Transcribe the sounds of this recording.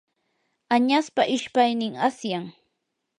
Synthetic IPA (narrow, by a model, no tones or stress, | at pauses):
aɲaspaʔɪʃpajnɪŋasjaŋ